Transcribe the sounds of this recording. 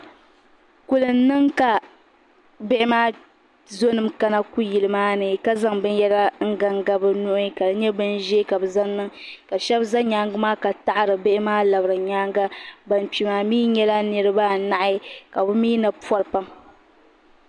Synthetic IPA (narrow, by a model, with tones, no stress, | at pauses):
ku˨lɨ˨n˦nːɨ˦ŋka˨ | bɪ˦ʔɪ˦maː˦ | zo˦nɨ˦mka˦na˦ku˦ji˨lɨ˨maː˦nɨ˨ka˦za˦ŋbɨ˦njɛ˦la˦ŋ̩˦ɡa˦ŋɡa˦bɨ˦nʊ˦ʔʊ˦ka˨dɨ˦ɲɛ˦bɨ˦nʒɛ˦ka˨bɨ˨za˦nnɨ˦ŋka˨ʃɛ˦bza˦ɲaː˨˦ŋɡɨ˦maː˦ka˨ta˦ʔɾɨ˨bɪ˦ʔɪ˦maː˦la˨bɾɨ˨ɲaː˦ŋɡa˦ba˨npi˨maː˨miː˦ɲɛ˦la˦nɨ˨ɾɨ˦ba˦na˨ʔa˦ka˨bɨ˦miː˦na˨pɔ˦ɾpa˦m